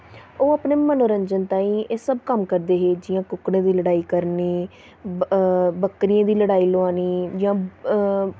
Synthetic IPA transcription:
oːaːpneːmənoːɾəɲd͡ʒənt̪ãːĩːeːsəbkəmkəɾd̪eːɦeːd͡ʒɪjãːkʊkɽẽːd̪iːləɽaːiːkəɾneː | bəkːɾɪjãːd̪iːləɽaːiːloaːniːd͡ʒãː

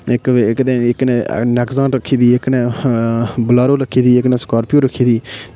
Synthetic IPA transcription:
ɪkːkd̪ẽːɪknḛːnɛkzãːɳʈɾəkʰːiːd̪iːɪknẽː | bəlaːɾoːləkʰːiːd̪iːɪkneːskaːɾpijoːɾəkʰːiːd̪iː

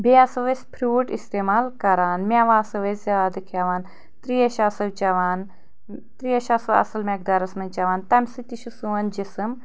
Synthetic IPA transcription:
beasɐʋespʰɾuːʈist̪eːmaːlkɐɾaːnmʲaʋaːsɐʋeszjaːd̪ɐkʰaʋaːn | t̪ɾijɐʃasɐʋt͡ʃɐʋaːn | t̪ɾiɐʃɐsɨwɐ̰sɐlmɐk̚d̪aːɾɐsmɐnt͡ʃɐʋaːnt̪ɐmʲsɨt̪iʃusuʋɐnd͡ʒisɨm

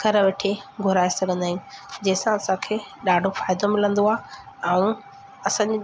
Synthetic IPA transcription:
kɐɾʋeʈʰeɡʱʊɾaːesɐɡʱə̃nd̪aːij̃ũd͡ʑɐɦɪsãɐsãkʰeːɗaːɖʱofaːɪd̪omɪlə̃nd̪oaːɦɛ̃ũ | ɐsãɲd͡ʑ

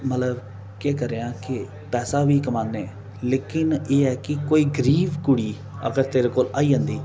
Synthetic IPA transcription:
mət̪ləb | keːkəɾeãːkɪ | pɛːsaːʋiːkəmaːnːeː | leːkɪneːɛːkɪkoːiːɡəɾiːʋkʊɽiː | ə̰ɡəɾt̪eːɾeːkoːlaːiːd͡ʒãːnd̪iː

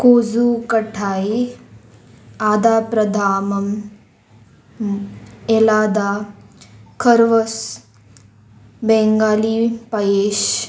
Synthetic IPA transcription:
koːzukɐʈʰaːi | aːd̪aːpɾɐd̪ʱaːmɐm | elaːd̪aː | kʰɐɾʋɐs | beŋɡaːliːpɐjeːʃ

